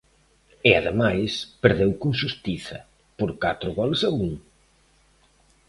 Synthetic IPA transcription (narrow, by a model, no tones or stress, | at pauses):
ɪaðemajspeɾðewkoŋʃust̪iθɐ̰ | poɾkat̪ɾʊɣɔlsɐuŋ